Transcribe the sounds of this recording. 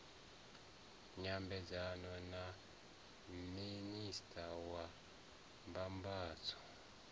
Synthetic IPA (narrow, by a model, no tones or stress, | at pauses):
ɲambɛzanɔna | ministʰawa | mbambaːt͡sɔ̥